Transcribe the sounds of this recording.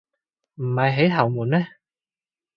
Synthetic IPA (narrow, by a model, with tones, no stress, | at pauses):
m̩˨˩hɐ˨˩jɦe˨˧˥jt̪ʰɐ˨˩wmuː˨˩nɛː˦˥